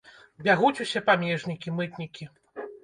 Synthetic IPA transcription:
bʲaɣut͡sʲusʲɛpamʲɛʐnʲikʲimɨt̪nʲikʲi

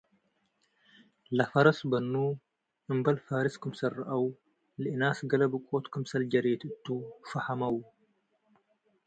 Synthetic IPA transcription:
lɐfɐɾɐsbɐnːuː | ʔɨmbɐlfaːɾɪskɨmsɐrːɐʔɐw | lɪʔnaːsɡɐlɐbɨkʼːoːt̪kɨmsɐld͡ʒɐɾeːt̪ɨt̪ːuːfɐhɐmɐw

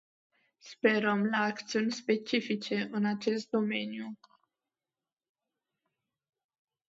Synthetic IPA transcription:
spe̞ɾəmlaːkt̪siunʲspe̞t͡ʃifit͡ʃe̞ʔɨnat͡ʃe̞st̪̚d̪o̞me̞nju

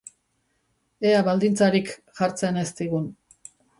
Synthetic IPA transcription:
e̞aβald̪int͡saɾikxaɾt͡se̞ne̞st̪iɣ̞un

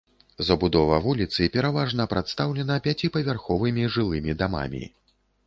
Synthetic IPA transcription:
zɐbud̪ɔvɐvulʲit̪sɨpʲɛɾavaʐnɐpɾat̪st̪awlʲɛnɐpʲat͡sʲipɐvʲarxɔvɨmʲiʐɨlˠɨmʲid̪ama̰mʲḭ

